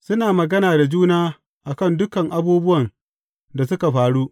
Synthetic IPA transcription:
sʊ˦naː˨mɐ˨ɡɐ˦naː˨da˨d͡ʒuː˦naː˦ | ʔa˨kɐ˦˨ndʊ˦kɐ˨ŋʔa˦buː˦bʊ˦wɐ˨n | da˨s̬ʊ˦ka˨ɸaː˨ɽuː˦ʔ

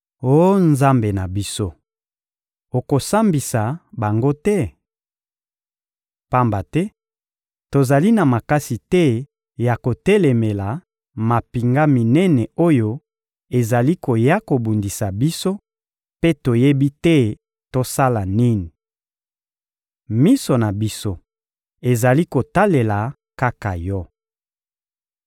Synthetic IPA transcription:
o˦nza˦mbe˨na˨bi˦so˦ | o˨ko˨sa˦mbi˨sa˨ba˨ŋɡo˦tɛ˦ | pa˦mba˨tɛ˦ | to˨za˨li˦na˨ma˨ka˦si˨tɛ˦ | ja˨ko˨tɛ˦le˨me˨la˨ | ma˨pi˨ŋɡa˦mi˨nɛ˦nɛ˨o˦jo˦ | e˨za˨li˦ko˨ja˦ko˨bu˨ndi˨sa˨bi˦so˦ | pe˦to˨je˦bi˦tɛ˦ | to˦sa˦la˨ni˦ni˨ | mi˦so˨na˨bi˦so˦ | e˨za˨li˦ko˨ta˦le˨la˨ | ka˦ka˨jɔ˦

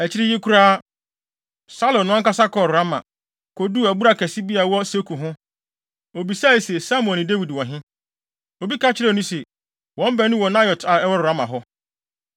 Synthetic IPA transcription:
æ˨t͡ɕʰɪ˦ɾɪ˦je˦kʰu˦ɾaː˦ | sa˦lɔ̃˨nːʊ̃˦ã˦ŋ˦ka˦sa˦kɔ˨ɾʊ˨ɾa˦mã̰˨ | kʰo˨du˦æ˨bu˦ɾa˨kʰɛ˨si˦bi˦a˨wɔ˦se˦kʰu˨ɦʊ̃˦ | o˨bi˨sa˦˨i˨sɛ˨sa˦m̃˦ɔ̃˨nɪ̃˨de˦wi˨dwɔ̃˨ɦɪ̃˦ | o˨bi˦ka˦t͡ɕʰɪ˦ɾɛ˦˨nũ˦sɛ˨ | wɔ̃˨˦m˦bɛ˨˦nʊ̃˦wɔ˨nã˦jɔ˨ta˨ɛ˦wɔ˦ɾʊ˨a˦mã̰˨ɦɔ˦

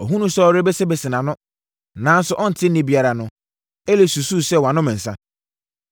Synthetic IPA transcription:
ɔ˨ɦũ˦nũ˦sɔ˦ɔ˨ɾe˦bɛ˦sɛ˦bɛ˨sɪ˨nã˨nʊ̃˦ | nãː˨˦n̩˦sʊ˨ʔɔ˦n̩˨tʰɪ̃˦n̩˦nɪ̃˦bi˨a˨ɾa˨nʊ̃˦ | e˦le˦su˨su˦˨sɛ˦˨wã˨nʊ̃˦mɪ̃˨n̩˨sã˦

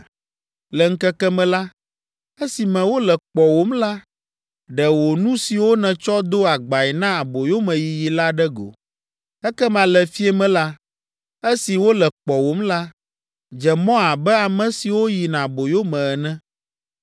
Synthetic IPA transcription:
lɛ˨ŋ̩˦kɛ˦kɛ˦mɛ̃˨la˦ | ɛ˦si˨mɛ̃˨wo˦lɛ˨k͡pɔ˨wo˦mla˦ | ɖɛ˨wo˨nũ˦si˨wo˦nɛ̃˨t͡ʃɔ˦d̪o˦a˨ɡ͡ba˨ɛ˨nã˦a˨bo˨jo˦mɛ̃˨ji˨ji˨la˦ɖɛ˦ɡo̰˨ | ɛ˦kɛ˦mã˨lɛ˨fi˦ɛ˦mɛ̃˦la˦ | ɛ˦si˨wo˦lɛ˨k͡pɔ˨wo˨mla˦ | d͡ʒɛ˨mɔ̃˦a˨bɛ˦a˨mɛ̃˨si˨wo˦ji˨nã˨bo˨jo˦mɛ̃˨ɛ˨nɛ̃˦

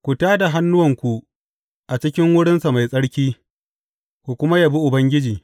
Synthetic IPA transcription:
kʷu˨taː˦da˨ɦa˦nːʊ˦wɐ˨ŋkʷu˨ | ʔa˨t͡ʃɪ˦kʲɪ˦ŋwʊ˦ɽɪ˦nsa˨ma˨jsʼɐ˦ɽkʲiː˦ | kʷu˨kʷʊ˦ma˦ja˨bi˦ʔʊ˨bɐ˦ŋɡʲɪ˦d͡ʒiː˨

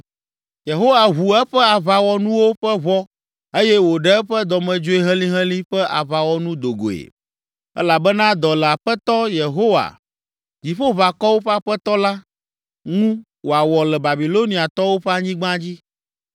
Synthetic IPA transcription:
je˨ɦo˦wa˨ɦu˨ɛ˦ɸɛ˦a˨βa˨wɔ˨nũ˦wo˦ɸɛ˦βɔ˦ | e˦jɛ˦wo˨ɖɛ˦ɛ˦ɸɛ˦d̪ɔ˨mɛ̃˨d͡ʒo˦e˦ɦɛ̃˦li˦ɦɛ̃˦li˦ɸɛ˦ʔa˨βa˨wɔ˨nũ˦d̪o˨ɡo̰˨ḛ˨ | ɛ̰˦la˨bɛ˦nã˦d̪ɔ˨lɛ˨a˨ɸɛ˦t̪ɔ˦je˨ɦo˦wa̰˨ | d͡ʑi˨ɸo˦βa˨kɔ˦wo˦ɸɛ˦a˦ɸɛ˦t̪ɔ˦la˦ | ŋũ˦ | wo˨a˨wɔ˨lɛ˨ba˨bi˨lo˦nĩ˨a˨t̪ɔ˦wo˦ɸɛ˦a˦˨ɲĩ˦ɡ͡bã˦d͡ʑi˦

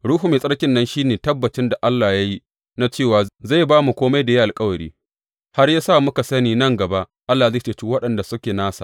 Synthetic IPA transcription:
ɽuː˦ɦu˨meː˨sʼɐ˦ɽkʲɪ˨nːɐ˦nʃiː˦neː˨tɐ˦bːɐ˨t͡ʃɪ˦nda˨ʔa˦lːaː˨ja˦ji˦ | na˦t͡ʃeː˦˨waː˨za˦˨jbaː˦mu˨kʷoː˦ma˦jda˨ji˦ʔa˨lkʼɐ˦wɐ˨ɾḭː˦ | ha˦rja˦saː˦˨mʊ˦ka˨sɐ˦niː˨nɐ˦˨ŋɡɐ˨ba˦ʔ | ʔa˦lːa˨za˦˨t͡ʃe˨t͡ʃuː˦wɐ˦ɗɐ˨nda˨sʊ˦kʲeː˨naː˦sa̰˨ʔ

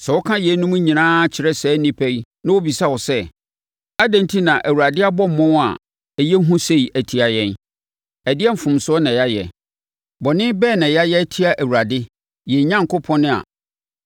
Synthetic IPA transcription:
sɛ˨wɔ˦kʰã˦jɛ˨˦nũ˦m̃˦ɲĩ˨nãː˦t͡ɕʰɪ˨ɾɛ˦sɛː˨˦nĩ˦pʰæ˦i˦nã˦wʊ˦bi˨sa˦wɔ˨sɛ˦ | a˦dɛ̃˨ntʰi˦nã˨ʔæ˨wu˨ɾa˨dɪ˦a˦bɔ̃˦m̩˨mɔ̃˦n˦a̰˨ | jɛ˦ɦũ˦se˦i˨ʔæ˨tʰi˨a˨jɛ̃˦n | æ˨dɪ˦ɛ˦m̩˨fʊ̃˨msʊ˦ɔ˦nã˨ja˦jɛ̰˨ | bɔ˨nɪ̃˦bɛː˦˨nã˨ja˦jɛ˦æ˦tʰi˦a˦ʔæ˨wu˨a˨dɪ˦ | jɛ˨ɲã˦ŋ˨kʰo˦pʰɔ̃˦nɪ̃˦a̰˨

